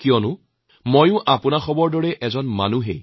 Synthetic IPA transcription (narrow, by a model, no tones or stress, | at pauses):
kijɔnʊ | mojʊ̃ʔapʊnaxɔbɔɹdɔɹɛʔɛzɔnma̰nuɦḛ